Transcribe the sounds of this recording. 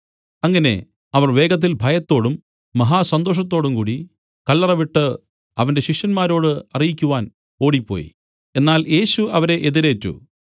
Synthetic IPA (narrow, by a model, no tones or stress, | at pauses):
ɐŋːɐne̞̰ | ɐʋɐrʋe̞ːɡɐt̪̬ːilbʱɐjɐt̪ːo̞ːɽumː | ɐɦaːsɐnd̪o̞ːʂ̬ɐt̪ːo̞ːɽumkuːɽi | kɐlːɐrɐʋiʈːɨ | ɐʋɐnde̞ɕiʂjɐnmaːɾo̞ːɽɨɐrijikʲːuʋaːn | o̞ːɽipːo̞̰ːjḭ | e̞nːaːlje̞ːɕuɐʋɐɾe̞ʔeðiɾe̞ːtːṵ